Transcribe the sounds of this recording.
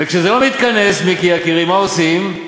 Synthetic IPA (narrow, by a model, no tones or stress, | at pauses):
vekʃezelomit̪kane̞smikiakiʁimaosim